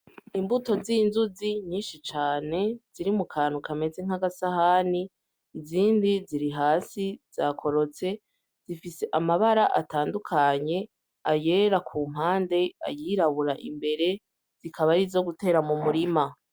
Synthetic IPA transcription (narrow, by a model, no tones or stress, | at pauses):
imbuto̞zinzuziɲiːnʃit͡ʃaːne̞z̥iɾimukʰaːn̥ukame̞ze̞ŋ̥haɡasahani | ziːndiziɾiɦaːsiz̥akʰo̞ɾo̞t͡se̞ | z̥ifise̞ʔamaβaɾaʔataːndukʰaɲe̞ | aje̞ːɾakʰuːm̥ɦaːnde̞a̰jiːɾaβuɾaʔḭmbe̞ɾe̞ | z̥ikʰaβaɾizo̞ɡute̞ːɾamumuɾima